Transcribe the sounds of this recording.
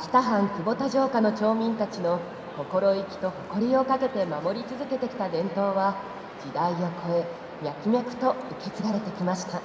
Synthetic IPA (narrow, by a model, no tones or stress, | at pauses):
kʲi̥t̪aɦãŋkʲibo̞t̪aʑo̞ːkano̞t͡ɕo̞ːmʲĩnt̪at͡ɕino̞ | ko̞ko̞ɾo̞ikʲi̥t̪o̞ho̞ko̞ɾʲio̞kake̞t̪e̞mamo̞ɾʲit͡sɨzɨke̞t̪e̞kʲi̥t̪ad̪ẽ̞nt̪o̞ːβa | d͡ʑid̪aiokʰo̞e | jakʲimekɯ̟̥t̪o̞ɯ̟ke̞t͡sɨɾaɾe̞t̪e̞kʲimaɕi̥t̪a